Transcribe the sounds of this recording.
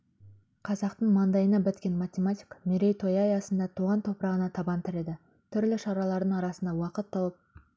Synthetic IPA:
qʰɑzɑqt̪əɴmɑnd̪ɑjənɑbɪt̪kʲe̞nmat̪ʲemat̪ʲi̥kmeɾe̞jt̪ʰo̞jɑjɑsənd̪ɑt̪ʰuʁɑnt̪ʰo̞pɾɑʁənɑt̪ʰɑbɑnt̪ʰɪɾe̞d̪ɪ | t̪ʰʏɾlɪʃɑɾɑlˠɑɾd̪əɴɑɾɑsənd̪ɑwɑqət̪ːɑlˠəp̚

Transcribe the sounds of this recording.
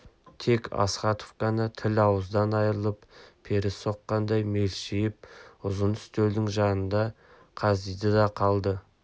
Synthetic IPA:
t̪ʰe̞kʰɑ̰sχɑt̪ovkɑnət̪ʰɪlɑwəzd̪ɑnɑjɾəlˠəppʰe̞ɾɪso̞qːɑnd̪ɑjme̞lʃɪjɪp̚ʊzənʏ̥st̪ewd̪ɪŋʒɑnənd̪ɑ | qʰɑzd̪ijd̪əd̪ɑqʰɑlˠd̪ə

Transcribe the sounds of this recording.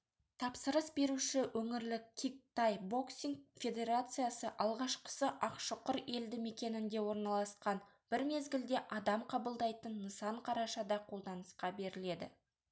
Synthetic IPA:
t̪ʰɑpsəɾəsbe̞ɾuʃɪwʔɵŋɪɾlɪkʲʰːik̚t̪ajbo̞ksiŋfʲe̞d̪e̞ɾat̪sɨjasəʔɑlˠʁɑʃqə̥səʔɑqʃəqʊɾe̞ld̪ɪme̞kʲe̞nɪnd̪e̞wo̞ɾnɑlˠɑsqɑn | b̥ɪɾme̞zɡʲɪld̪e̞ʔɑd̪ɑmqʰɑbəlˠd̪ɑjt̪ənːəsɑɴqʰɑɾɑʃɑd̪ɑqʰo̞lˠd̪ɑnəsqɑbe̞ɾɪle̞d̪ɪ̰

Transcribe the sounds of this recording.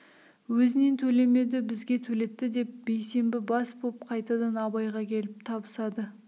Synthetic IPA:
wɵzɪne̞nt̪ʰɵle̞me̞d̪ɪbɪzɡʲe̞t̪ʰɵle̞t̪ːɪd̪e̞p̚be̞jse̞mbɪbɑsbopqʰɑjt̪ɑd̪ɑnɑbɑjʁɑkʲʰe̞lɪp̚t̪ʰɑbəsɑd̪ə

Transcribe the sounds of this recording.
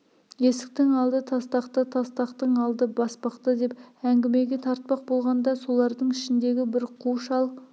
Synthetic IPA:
je̞sɪ̥k̚t̪ɪŋɑlˠd̪ət̪ʰɑst̪ɑqt̪ət̪ʰɑst̪ɑqt̪əɴɑlˠd̪əbɑspɑqt̪əd̪e̞pæŋɡʲɪme̞ɡʲe̞t̪ʰɑɾt̪̚pɑq̚bo̞lˠʁɑnd̪ɑso̞lˠɑɾd̪əɴɪʃɪnd̪e̞ɡʲɪbɪɾqʰuʃɑlˠ

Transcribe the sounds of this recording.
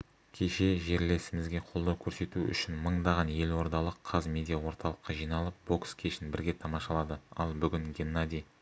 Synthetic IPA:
kʲʰe̞ʃe̞ʒe̞ɾle̞sɪmɪzɡʲe̞qʰo̞lˠd̪ɑwkʲʰɵɾse̞t̪uʏ̰ʃɪnməɴd̪ɑʁɑnje̞lwo̞ɾd̪ɑlˠəqʰːɑzmʲe̞d̪ʲijawo̞ɾt̪ɑlˠəqːɑʒijnɑlˠəp̚bo̞kskʲʰeʃɪnbɪɾɡʲe̞t̪ʰɑmɑʃɑlˠɑd̪əɑ̰lˠbʏɡʲɪŋɡʲenːad̪ʲij

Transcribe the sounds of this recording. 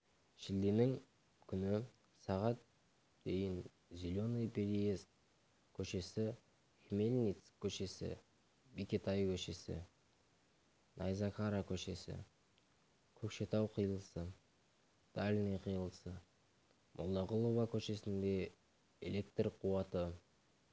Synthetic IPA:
ʃɪld̪enɪŋ | kʲʰʏnɪ | sɑʁɑt̪̚ | d̪̥e̞jɪn | zʲilʲonepʰeɾijes | kʲʰɵʃe̞sɪ | hemelʲnit̪skʲʰːɵʃe̞sɪ̰ | bekʲet̪ʰajkʲʰɵʃe̞sɪ̰ | nʔɑjzɑkʰaɾakʲʰɵʃe̞sɪ̰ | kʲʰɵkʃe̞t̪ɑwqʰəjəlˠəsə | d̪̥alʲnijqʰəjəlˠəsə | mʔolˠːɑʁʊlˠuvakʲʰɵʃe̞sɪnd̪e̞ | ḛlʲe̞kt̪rqʰuwɑt̪ə

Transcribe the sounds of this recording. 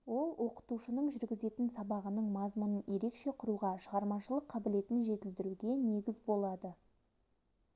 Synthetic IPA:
wo̞lˠwʔo̞qə̥t̪uʃənəɴʒʏɾɡʲɪze̞t̪ɪnsɑbɑʁənəɴmɑzmʊnənje̞ɾe̞kʃe̞qʰʊɾuʁɑʃəʁɑɾmɑʃəlˠəqʰːɑbɪle̞t̪ɪnʒe̞t̪ɪld̪ɪɾuɡʲe̞ne̞ɡʲɪzbo̞lˠɑd̪ə

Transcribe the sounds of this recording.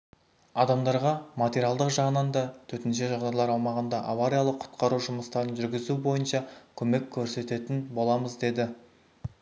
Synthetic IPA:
ɑd̪ɑmd̪ɑɾʁɑmat̪eɾʲialˠd̪əqʒɑʁənɑnd̪ɑt̪ʰɵt̪ɪnʃ̬eʒɑʁd̪ɑjlˠɑɾɑwmɑʁənd̪ɑʔavaɾijalˠəqʰːʊ̥t̪qʰɑɾuʒʊməst̪ɑɾənʒʏɾɡʲɪzubo̞jənʃɑkʲʰɵme̞kʲʰːɵɾse̞t̪e̞t̪ɪnbo̞lˠɑməzd̪e̞d̪ɪ

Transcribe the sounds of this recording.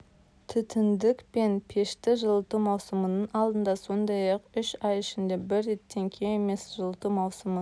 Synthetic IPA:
t̪ʰʏt̪ʰɪnd̪ɪkpe̞npʰe̞ʃt̪ɪʒəlˠət̪umɑwsəmənəɴɑlˠd̪ənd̪ɑso̞nd̪ɑjɑqʏʃɑjɪʃɪnd̪e̞bɪɾːe̞t̪ːe̞ŋkʲʰeeme̞sʒəlˠət̪umɑwsəmə

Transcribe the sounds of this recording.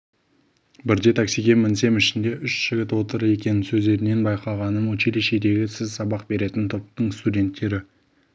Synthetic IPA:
bɪɾd̪et̪ʰaksijɡʲe̞mɪnse̞mɪʃɪnd̪e̞ʔʏʃʒ̥ɪɡʲɪt̪wo̞t̪əɾəe̞kʲe̞nɪnsɵzd̪e̞ɾɪne̞nbɑjqɑʁɑnəmwokʰele̞ʃe̞d̪e̞ɡʲɪsɪzsɑbɑq̚be̞ɾe̞t̪ɪnt̪ʰop̚t̪əɴst̪udʲe̞nt̪ːe̞ɾɪ

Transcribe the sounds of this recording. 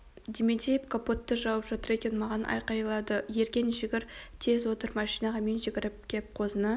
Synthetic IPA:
d̪emed̪ʲejep̚kʰopo̞t̪ːəʒɑwəpʒɑt̪əɾe̞kʲe̞nmɑʁɑnʔɑ̰jqɑjlˠɑd̪əje̞ɾkʲe̞nʒɪɡʲɪɾt̪ʰe̞zwo̞t̪əɾmɑʃijnɑʁɑmenʒɪɡʲɪɾɪp̚kʲʰep̚qʰo̞zənə

